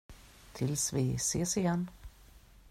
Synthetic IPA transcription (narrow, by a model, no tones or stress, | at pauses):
t̪ʰɪlsvɪseːsɪjɛnː